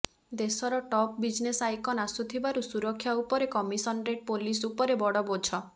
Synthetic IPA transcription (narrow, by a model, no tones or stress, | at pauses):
d̪esɔɾɔʈɔp̚bid͡ʒnesajkɔnasut̪ʰibaɾusuɾɔkʰːjaupɔɾekɔmisɔnʈɾeʈ̚polisupɔɾebɔɽɔbod͡ʒʰɔ